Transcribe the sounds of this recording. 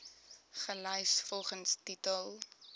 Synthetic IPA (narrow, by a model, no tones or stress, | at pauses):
χəlœjsfɔlˠχənstitəlˠ